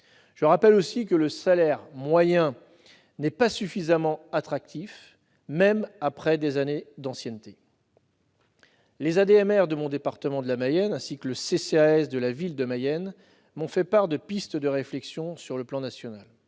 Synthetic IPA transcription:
ʒ̥əʁapɛlosikələsalɛʁmwajɛ̃ | nɛpasyfizamɑ̃at̪χak̚t̪if | mɛmapχɛd̪ezaned̪ɑ̃sjɛnt̪e | lezad̪eɛmɛʁd̪əmɔ̃d̪epaʁt̪əmɑ̃d̪əlamajɛnɛ̃sikələseseaɛsd̪əlavild̪əmajɛn | mɔ̃fɛpaʁd̪əpist̪əd̪əʁeflɛksjɔ̃syʁləplɑ̃nasjɔnal

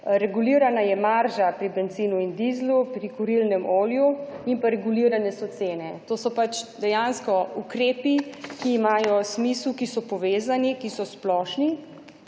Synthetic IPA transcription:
ɾɛɡuliːɾanajɛmaɾʒapɾibɛnt̪ziːnuind̪izlupɾikuɾilnɛmoːljuinpaɾɛɡuliɾanɛsɔt̪seːnɛt̪oːsɔpat͡ʃd̪ɛjanskɔukɾeːpikiːmaːjɔsmiswkisɔpɔʋeːzanikisɔsplɔʃni

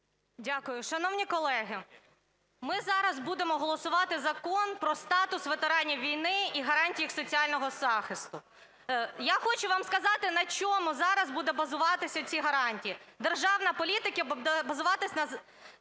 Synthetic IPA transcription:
dʲakʊjʊʃɐnɔwnʲikɔlˠɛɦɪ | mɪzɑɾɐzbud̪emɔɦɔlˠɔsʊʋɑt̪ɪzɐkɔnpɾɔst̪ɑt̪ʊsʋet̪eɾɑnʲijʋʲijnɪiɦɐɾɑnʲtʲijixsɔt͡sʲiɑlʲnɔɦɔzɑxɪst̪ʊ | jaxɔt͡ʃʊʋɑmskɐzɑt̪ɪnɐt͡ʃɔmʊzɑɾɐzbud̪ɛbɐzʊʋɑt̪ɪsʲɐt͡sʲiɦɐɾɑnʲtʲijid̪erʒɑwnɐpɔlʲit̪ɪkɐbɐzʊʋɑt̪ɪsʲnɐ

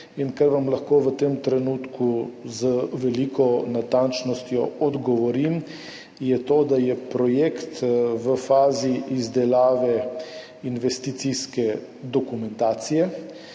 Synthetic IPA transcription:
inkaɾʋamlaxkoːʋət̪emt̪ɾɛnuːt̪kuzəʋɛlikʰɔnat̪ant͡ʃnɔst̪jɔɔd̪ɡɔʋɔɾim | jɛt̪oːd̪ajɛpɾɔjekt̪ʋəfaːziʔizd̪ɛlaːʋɛ | inʋɛst̪it̪siskɛ | d̪ɔkumɛnt̪aːt̪sijɛ

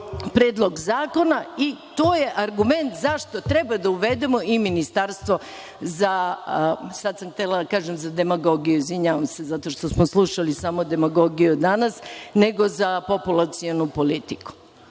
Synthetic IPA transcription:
pɾeːd̪lˠo̞ɡzaːko̞nait̪o̞ːje̞ʔaɾɡume̞nt̪zaʃt̪o̞t̪ɾebad̪auʋed̪emo̞iminist̪aɾst̪ʋo̞ | za | sad̪samxt̪elˠad̪akaːʒemzad̪e̞maɡo̞ɡijuizʋiɲaːʋamse̞zat̪o̞ʃt̪o̞smoslˠuʃalisaːmod̪e̞maɡo̞ɡijud̪anasneɡo̞zapo̞pulˠat̪sionupolit̪iku̥

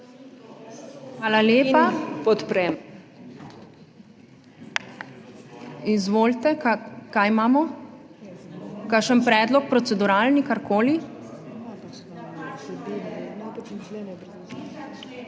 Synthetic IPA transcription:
xʋaːlaleːpapɔt̪pɾɛm | izʋoːlt̪ɛkakajmaːmɔ | kaʃənpɾɛːd̪lɔk̚pɾɔt̪sɛd̪uɾalnikaɾkʰoːli

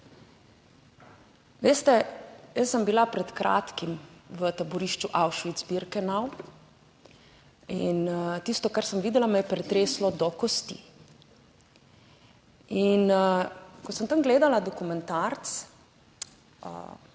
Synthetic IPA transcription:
ʋeːst̪ɛjəsːəmbilapɾɛt̪kɾʔa̰ːt̪kimʋət̪abɔɾiːʃt͡ʃuʔawʃʋid̪zbiɾkɛnaw | int̪ist̪ɔkaɾsəmʋiːd̪ɛlamɛjɛpɾɛt̪ɾeːslɔd̪ɔkɔst̪ḭ | in | kɔsənt̪amɡleːd̪alad̪ɔkumɛnt̪aɾt̪s | ə̰

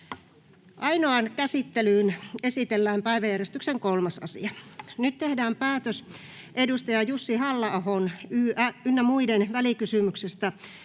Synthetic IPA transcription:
ʔɑinoɑnkæsit̪ːelyːnesit̪elːæːmpæiʋæjærjest̪ykseŋkolmɑsɑ̰sḭɑnyt̪t̪ehdæːmpæːt̪øs | ʔedust̪ɑjɑjusːihɑlːɑɑhonyːæynːæmuidenʋælikysymyksest̪æ

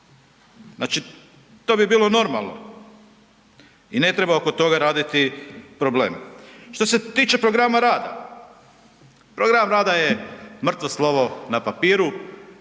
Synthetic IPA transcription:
znaːt͡ʃi | t̪o̞ːbibiːlo̞no̞ɾmalˠno̰ | ine̞t̪ɾebaokot̪o̞ɡaɾaːd̪it̪ipɾo̞blḛːmʃt̪o̞se̞t̪iːt͡ʃe̞pɾo̞ɡɾamaɾaːd̪a̰ | pɾoɡɾamɾaːd̪ajemr̩t̪ʋoslˠo̞ʋo̞napapiːɾu

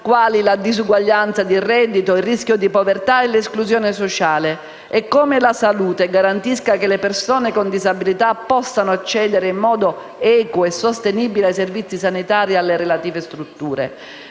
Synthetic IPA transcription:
kwaːlilad̪izuɡwaʎːant̪sad̪irɛd̪ːit̪oirːiskjod̪ipovert̪aɛleskluzjoːnɪsot͡ʃaːle | ɛkːomɪlasaluːt̪eɡaɾant̪iskakelepersoːnekond̪izabilit̪apːɔsːanʊat͡ʃːɛːd̪eɾeimːɔːd̪o | ɛːkoɛsost̪eniːbileajservit̪sːisanit̪aːɾialːeɾelat̪iːvest̪ɾut̪ːuːɾḛ

